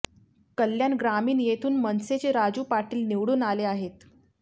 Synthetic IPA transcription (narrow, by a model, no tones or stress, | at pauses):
kəljanɡɾamiːnjet̪ʰuːnmənset͡ɕeɾad͡zuːpaʈiːlniʋɽuːnaleaɦet̪